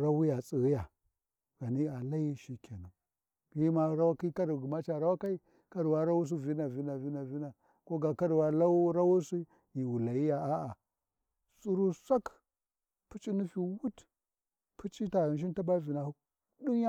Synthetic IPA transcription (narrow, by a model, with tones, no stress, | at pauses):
ɾa˦wu˦ja˨t͡sʼi˨ɣi˦ja˨ | ɡ̥a˨ni˦a˨la˦ji˦ʃi˦kʲʰa˨nu˨ | ɡi˦ma˦ɾa˦wa˦ki˦ka˦ɾɡu˨ma˦t͡ʃa˨ɾa˦wa˦ka˦i˦ | ka˦ɾwa˦ɾa˦wu˦s̬i˦vi˦na˨vi˦na˨vi˦na˨vi˦na˨ | ko˦ɡa˨ka˦ɾwa˦la˦ɾa˦wu˦si˦ | ji˨wu˨la˨ji˦ja˨ʔa˦ʔa˨ | sʼu˦ɾu˦sa˦k | pu˦t͡ʃʼi˦nu˦fi˨wu˦t | pʰu˦t͡ʃʼi˦ta˨ɣi˨nʃ̬i˦n˦ta˦ba˦vi˨na˨hu˦ | du˦nja˦